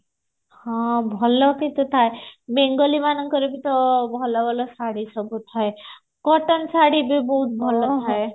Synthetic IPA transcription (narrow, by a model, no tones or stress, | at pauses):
hɔ̃bʱɔlɔkit̪ut̪ʰaemeŋɡɔlimanɔŋkɔɾebit̪ɔbʱɔlɔbʱɔlɔsaɽisɔbut̪ʰae | kɔʈɔnsaɽibibɔɦut̪̚bʱɔlɔt̪ʰae